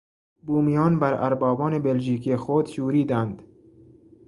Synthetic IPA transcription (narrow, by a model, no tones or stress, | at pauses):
buːmijɒːnbæɾæ̰ɾbɒːbɒːnebelʒiːkʰijexod̪ʃuːɾiːd̪ænd̪̥